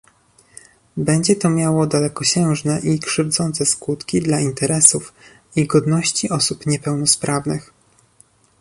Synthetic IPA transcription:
bɛɲd͡ʑɛt̪ɔmʲjawɔd̪alɛkɔɕɛ̃w̃ʐnɛʔikʂɘvd̪zɔnt̪sɛskut̪kʲid̪laint̪ɛɾɛsuf | iɡɔd̪nɔɕt͡ɕiʔɔsupɲɛpɛwnɔspɾʔavnɘx

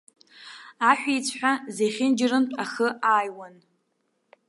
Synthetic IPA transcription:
aħʷᶣit͡sʷʰħʷᶣazejχʲɪnd͡ʒɪrɨntʼaχəaːjwan

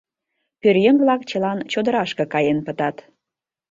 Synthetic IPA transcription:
pørjəŋvlɑkt͡ɕə̆lɑnt͡ɕod̪ə̆ɾɑʃkɤ̆kɑjenpət̪ɑt̪

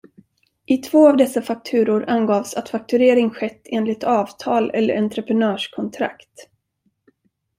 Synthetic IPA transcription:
ʔɪt̪ʰv̥oːavd̪ɛsːafak̚t̪ʰʉ̟ːɾʊɾanɡɑːvsat̪fak̚t̪ɵɾeːɾɪŋɧɛt̪ːeːnlɪt̪ʰɑːvt̪ʰɑːlɛ̰lːə̰ɾant̪ɾəpɾɛnœːʂkʰɔnt̪ʰɾa̰kt̪

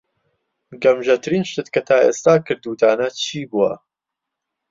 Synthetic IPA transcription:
ɡɐmʒɐt̪ʰɨɾiːnʃt̪et̪kʰɐt̪ʰaːḛːst̪aːkʰɨɾd̪uːt̪ʰaːnɐt͡ʃʰiːbuwɐ̰

